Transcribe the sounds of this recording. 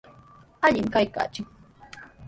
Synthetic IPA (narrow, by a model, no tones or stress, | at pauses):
aʎɪmkajka̰ːt͡ʃɪŋ